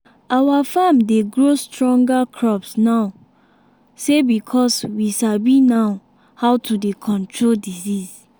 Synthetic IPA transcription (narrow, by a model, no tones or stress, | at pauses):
ʔawafãmdeɡɹostɹɔ̃ŋɡakʰɹɔpsna | sebikʰɔswiʃabĩnaʊ | hawtʰudekʰɔ̃ntʰɹoldiziz